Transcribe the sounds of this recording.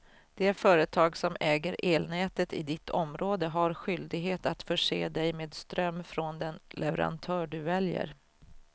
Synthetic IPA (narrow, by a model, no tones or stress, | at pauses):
d̪̥ɛæɾfœːɾət̪ʰɑːɡsɔmɛːɡəɾʔeːlnɛːt̪ət̪ɪ̰d̪ɪt̪ʰːɔmɾʔoːd̪əɦaɾɧʏld̪ɪɡɦeːt̪at̪fœʂḛːd̪ɛjmeːd̪st̪ɾœmːfɾɔnd̪ɛnlɛvə̰ɾa̰nt̪ʰœːɖɵvɛljə̰ɾ